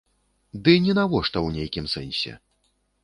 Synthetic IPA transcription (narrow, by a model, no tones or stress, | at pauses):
d̪ɨnʲɛnavɔʂt̪ɐwnʲejkʲimsɛnʲsʲɛ̰